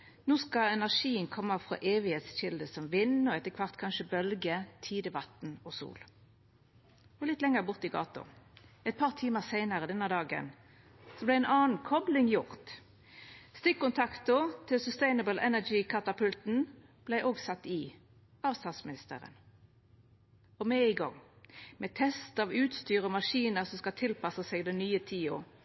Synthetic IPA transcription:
noːskɑɛnæʁʂiːənkʰɔmːəfʁɑ̰ːʔeːʋɪheːt̪sʃɪld̪əsɔmʋɪnɔɛt̪ːəkʰʋɑʁt̪kʰɑnʃəbœlɡət̪ʰiːd̪əʋɑt̪n̩ɔsṵːl | ɔlɪt̪ːlɛŋəʁbʊʁt̪ɪɡɑ̰ːt̪ʊ̰ɛɪt̪̚pʰɑːʁt̪ʰiːməʁsæɪnəʁəd̪ɛnːəd̪ɑːɡə̰n | sɔblæɪɛnʔɑːn̩kʰɔblɪŋjʊʁt̪ | st̪ɪkkːʊnt̪ʰɑkt̪ʊt̪ʰɪlsʉst̪æɪnəbəlɛnæd͡ʒikʰɑt̪ɑpʰʉlt̪n̩ | b̥læɪʔoːɡsɑt̪ːɪ | ɑːʋst̪ɑt̪smɪnɪst̪ə̰ʁə̰n | ɔmɛɪɡɑ̰ŋ | mɛt̪ʰɛst̪ɑːʋʉːt̪st̪yːʁəɔmɑʂiːnəʁsɔmskɑt̪ʰɪlpɑsəsɛɡd̪ɛnyːət̪ʰiːʊ

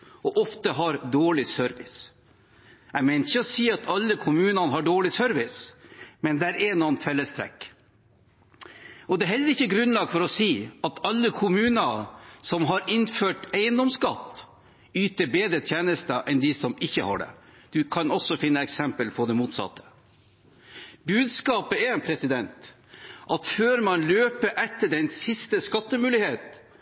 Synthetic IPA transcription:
ʔɔʔɔft̪əɦɑɾd̪oːɭɪsœɾʋɪs | æɪmɛɪnɪçəɔsiːɑt̪ʰɑlːəkʰʊmʉːnɑnəɦɑɖoːɭɪsœɾʋɪsmɛnd̪ɛæɾʔɛnɔnt̪fɛlːəst̪ʰɾɛ̰k | ɔd̪ɛɦɛlːəɾɪçːəɡɾʉnlɑːɡfɔɾɔsiːɑt̪ɑlːəkʰʊmʉːnəsɔmɦɑɾɪnføːʈæɪənd̪ɔmskɑt̪ː | yːt̪əɾbeːd̪ɾət̪ʰjeːnəst̪əʔɛnd̪ɪsɔmɪçːəhɑ̰ːɖɛ̰d̪̥ʉkʰɑnɔsɔfɪnːəɛksɛmpəlpʰɔd̪ɛmuːt̪sɑ̰t̪ʰːə̥ | bʉːd̪skɑːpəɛɾɛnpʰɾɛsɪd̪ɛnt̪ | ʔɑt̪føːɾmɑnløːpəʔɛt̪ːəɖɛnsɪst̪əskɑt̪ːəmʉːlɪheːt̪

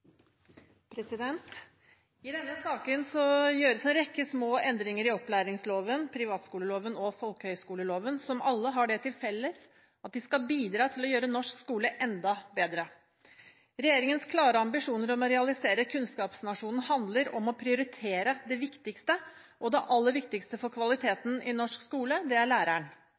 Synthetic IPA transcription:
pʰɾɛsɪd̪ɛnt̪ | ɪd̪ɛnːəsɑːkənsɔjøːɾəsɛnɾɛkːəsmoːʔɛnd̪ɾɪŋəɾɪɔplæːɾɪŋsloːʋənpʰɾɪʋɑːt̪skuːləloːʋənɔfɔlkəhœʏskuːləloːʋənsɔmɑlːəɦɑɖɛt̪ʰɪlfɛlːəs | ɑt̪̚d̪ɪskɑlbiːd̪ɾɑːt̪ʰɪlɔjøːɾənɔʂkskuːləʔɛnd̪ɑbeːd̪ɾə | ɾɛjeːɾɪŋənskʰlɑːɾəɑmbɪʂuːnəɾɔmɔɾɛɑlɪseːɾəkʰʉnskɑːpsnɑʂuːnn̩hɑnd̪ləɾɔmɔpʰɾɪʊɾɪt̪ʰeːɾəd̪ɛʋɪkt̪ɪkst̪ə | ʔɔd̪ɛʔɑlːəɾʋɪkt̪ɪkst̪əfɔɾkʰʋɑlɪt̪ʰeːt̪n̩ɪnɔʂkskuːləd̪ɛæɾɭæːɾæɳ

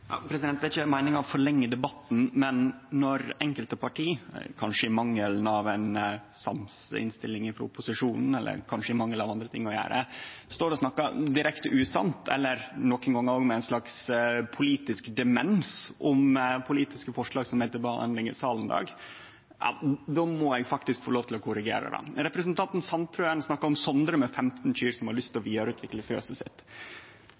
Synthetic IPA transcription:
jɑ̰pʰɾɛsɪd̪ɛnt̪æɾɪçːəmæɪnɪŋɑʋfɔɭɛŋːəd̪ɛbɑt̪n̩mɛnːɔɾɛŋkəlt̪əpɑʈʰiːkʰɑnʂəɪmɑŋːəlnɑʋɛnsɑ̰msɪ̰nst̪ɪlːɪŋɪfɾɔʊpʊsɪʂuːnn̩ɛlːə̰ɾkʰɑnʂəɪmɑŋːəlɑʋɑnd̪ɾət̪ʰɪŋːɔjæ̰ːɾʔə̰st̪oːɾɔsnɑkːɑd̪ɪɾɛkt̪əʔʉːsɑ̰nt̪ʰɛ̰lːəɾnɔkːənɡɑŋːoːɡmɛæɪnslɑkspʰʊliːt̪ɪskd̪ɛmɛnsɔmpʰʊliːt̪ɪskəfɔʂɭɑːɡsɔmɛɪt̪ːəbəɑ̰nɪŋə̰sɑːlnd̪ɑ̰ːɡ | ɑ̰d̪ɔːmɔɛɡfɑkt̪ɪskfoːloːʋt̪ʰɪlɔkʰʊɾɪɡḛːɾə̰d̪ɑ̰ɾɛpɾɛsənt̪ʰɑnt̪n̩sɑnp̪ʰɾʉːɛnsnɑkːɑɾɔmsɔnd̪ɾəmɛfɛmt̪n̩c͡çyːɾsɔmhɑɾɭʏst̪ɔʋiːd̪ɑɾʉːt̪ʰʋɪkləfø̰ːsəsɪ̰t̪ː

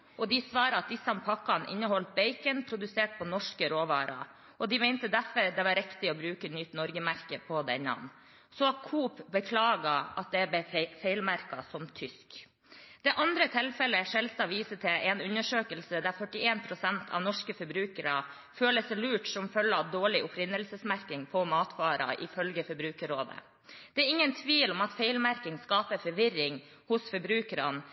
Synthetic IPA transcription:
ʔɔd̪ɪsʋɑːɾəɑt̪̚d̪ɪsːɑmpʰɑkːɑnʔɪ̰nːəhɔlt̪̚beɪkənpʰɾʊd̪ʉseːʈ̚pʰɔnɔʂkəɾoːʋɑ̰ːɾʔɑ̰ | ʔɔd̪ɪmɛɪnt̪əd̪æfɔɾd̪ɛʋɑɾɛkt̪ɪɔbɾʉːkənʏt̪nɔɾɡəmæɾkəpʰɔd̪ɛ̰nːɑ̰n | sɔɑkʰuːpbəkʰlɑːɡɑɑt̪̚d̪ɛæbəfeɪlmæɾkɑsɔmt̪ʰʏsk | d̪̥ɛʔɑnd̪ɾət̪ʰɛlfɛləʂɛlsɑʋiːsəʈ̪ʰɪʔɛnʉnəʂøːkəlsəd̪æɾfœʈːɪeːnpʰɾʊsɛnt̪ʰɑ̰ʋnɔʂkəfɔɾbɾʉːkəɾɑ | føːləsɛlʉːʈsɔmfœlːəɑʋd̪oːɭɪʔʊpɾɪnəlsəsmæɾkɪŋpʰɔmɑːt̪fɑːɾɑ̰ʔɪ̰fœlɡəfɔɾbɾʉːkəɾoːd̪ə̰ | d̪̥ɛæɾɪŋːənt̪ʰʋiːlɔmɑt̪feɪlmæɾkɪŋskɑːpəfɔɾʋɪɾɪŋ | hʊsfɔɾbɾʉːkəɾɑn

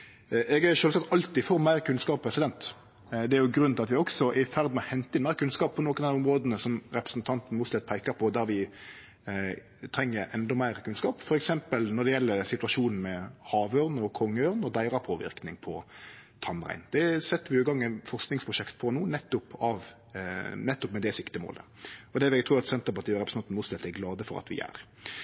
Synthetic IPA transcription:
ʔɛɡæɾʃøːlsɑk̚t̪ʰɑlt̪ɪfɔɾmæɪɾkʰʉnskɑːppʰɾɛsɪd̪ɛnt̪ | d̪ɛæɾjʊɡɾʉnɪɑt̪ʋɪɔksɔʔæɪfæʁd̪mɛɔhɛnt̪ːəɪnmæɪɾkʉnskɑːpʰːɔnoːkənæɪɔmɾoːd̪ənəsɔmɾɛpɾəsnt̪ʰɑnt̪n̩mʊːt̪slɛt̪̚ːpʰæɪkɑɾpʰɔd̪æɾʋɪ | t̪ʰɾɛŋːəɾʔɛnd̪ɔmæɪɾəkʰʉnskɑːpfɔɾɛksɛmpəlnɔɾd̪ɛjɛlːəɾsɪt̪ʉɑʃuːnn̩mɛhɑːʋøɾnəɔkʰɔŋːəœɾnɔd̪æɪɾɑpʰoːʋɪ̰ɾknɪŋpʰɔt̪ʰɑmʁæ̰ɪnd̪ɛsɛt̪ːəɾʋɪʉːɡɑŋːɛnfɔʁsknɪŋspʰʁʊʃɛkt̪pʰɔnuːnɛt̪ːʊpɑʋ | nɛt̪ːɔpmɛd̪ɛsɪkt̪ɪmo̰ːləɔd̪ɛːʋɛɡt̪ʰɾuːɾɑt̪sɛnt̪əɾpɑʁt̪iːɑɾɛpɾəsɑnt̪n̩mʊːslɛt̪ːæɾɡlɑːd̪əfɔɾɑ̰t̪ʋɪ̰æ̰ɾ

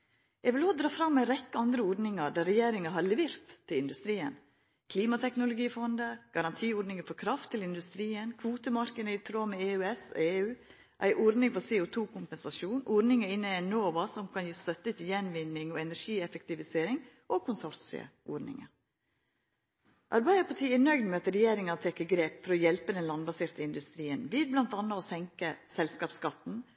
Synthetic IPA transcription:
jɛʋɪloːd̪ɾɑːfɾɑmːæɪɾɛkːəɑnd̪ɾəɔɾnɪŋɑɖæɾɛjeːɾɪŋəɦɑɾlɛʋeːɾt̪ʰːɪlɪnd̪ʉst̪ɾiːə̰n | kʰliːmɑt̪ʰɛknʊlʊɡiːfɔnd̪əɡ̥ɑɾɑnt̪ʰiːɔɾnɪŋəfɔɾkʰɾɑft̪ʰːɪlɪnd̪ʉst̪ɾiːənkʰʋuːt̪əmɑɾkənəɪt̪ʰɾoːmɛeːʉːɛseːʉː | ʔæ̰ɪʔɔɾnɪŋfɔɾseːʊt̪ʰuːkʰʊmpɛnsɑʃuːnʔɔɾnɪŋəɪnːəænoːʋɑsɔmkʰɑnjiːst̪œt̪ːət̪ʰɪjɛnʋɪnːɪŋɔɛnæɾʂiːɛfɛkt̪ɪʋɪseːɾɪŋ | ʔɔkʰʊnsɔɾsɪ̰ə̰ʔɔɾnɪ̰ŋə̰ | ʔɑɾbæɪəpʰɑʈʰiːɪnœʏɡdnmɛɑt̪ɾɛjeːɾɪŋɑt̪ʰɛkːəɡɾeːpfɔɾɔjɛlpəd̪ɛnlɑnbɑseːɾt̪əɪnd̪ʉst̪ɾiːənʋɪlblɑnt̪ɑnːɑɔsɛŋkəsɛlskɑːpskɑt̪ːn̩

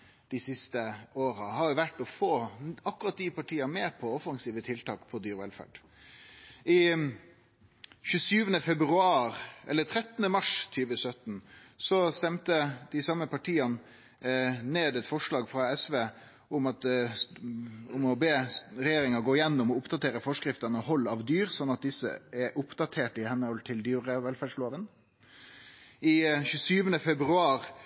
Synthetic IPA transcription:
d̪̥ɪsɪst̪əoːɾəhɑɾjʊʋæʈːɔfoːɑkːʊɾɑt̪̚d̪ɪpɑʈʰiːɑmeːpʰɔɔfɑŋsiːʋət̪ʰɪlt̪ʰɑːkpʰɔd̪yːɾɛlfæ̰ɖ̥ | ʔɪ | çʉːsyːʋənəfɛbɾʉɑːɾɛlːət̪ʰɾɛt̪ənəmɑʂt̪ʰyːʋəsœt̪n̩sɔst̪ɛmt̪əd̪̥ɪsɑməpɑʈʰiːɑn | neːd̪ɛt̪fɔʂɭɑːɡfɾɑɛsʋeː | ʊmɑt̪ | ʊmɔbeːɾɛjeːɾɪŋɑɡoːɪjɛnːʊmɔʊpd̪ɑt̪ʰeːɾəfɔʂkɾɪft̪ənɔhɔlːɑʋd̪yːɾsɔnːɑt̪̚d̪ɪsə̰ɛɾʔʊpd̪ɑt̪ʰeːʈɪhɛnːəhɔlt̪ʰɪld̪yːɾəʋɛlfæɖʂloːʋən | ɪçʉːsyːʋənəfɛbɾʉɑːɾ

